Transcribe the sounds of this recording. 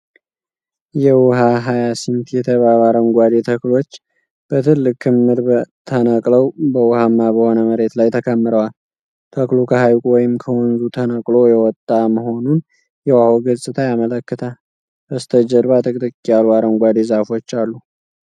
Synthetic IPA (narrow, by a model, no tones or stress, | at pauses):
jɛwʊɦaɦajasint̪jɛt̪ʰəβaβaɾəmɡʷad̪e̞t̪ʰəklo̞t͡ʃː | b̥ət̪ʰɨlːɨkʰːɨmːɨɾbət̪ʰənəkʼləwbəwʊhamːabəho̞nəməɾe̞t̪lajt̪ʰəkʰəmːɨɾəwal | t̪ʰəklukʰəhajkʼwɔjɪmkʰəwɔnzut̪ʰənəkʼlo̞jɛwɔt̪ʼːaməɦo̞nun | jɛwahoɡəsʼɨt̪ʰajamələkːɨt̪ʰa | bəst̪ʰəd͡ʒəɾβat̪ʰʼɨkʼt̪ʼɨkʼːijalwaɾəmɡʷad̪ezafo̞t͡ʃːalːu